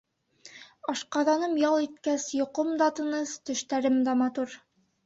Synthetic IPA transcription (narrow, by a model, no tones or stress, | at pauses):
ɑʃqɑðɑnɤmjɑlˠit̪̚kæsjŏqomd̪ɑt̪ɤ̆nɤst̪ɵ̆ʃt̪æɾɘmd̪æmɑt̪uɾ